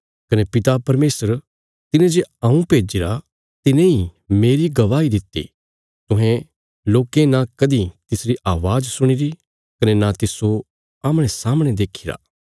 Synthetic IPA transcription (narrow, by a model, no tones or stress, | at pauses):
kɐnepɪt̪apɐɾmeːsəɾ | t̪ɪnẽd͡ʒeɐũpeːd͡ʒiɾa | t̪ɪnẽimeːɾiɡɐʋaːid̪ɪt̪ːḭː | t̪ʊ̃ɦẽ | loːkẽnakɐd̪it̪ɪsɾiʔaːʋaːzsʊɽ̃iɾi | kɐnenat̪ɪso | aːmɽ̃esaːmɽ̃ed̪eːkʰiɾa̰ː